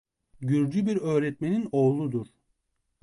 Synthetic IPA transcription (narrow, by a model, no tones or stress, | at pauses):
ɟyɾd͡ʒybiɾø̞ːɾɛt̪̚menino̞ːlˠud̪uɾ̥